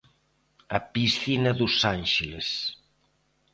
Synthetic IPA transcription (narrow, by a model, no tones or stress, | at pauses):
ɐpisθinɐðusanʃeles